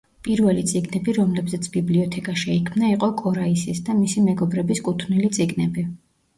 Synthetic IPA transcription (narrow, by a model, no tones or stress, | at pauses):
pʼiɾvɛlit̪sʼiɡnɛbiɾɔmlɛbzɛt̪sʰbibliɔt̪ʰɛkʼaʃɛikʰmnaiqʼɔkʼɔɾaisisd̪amisimɛɡɔbɾɛbiskʼut̪ʰnilit̪sʼiɡnɛbi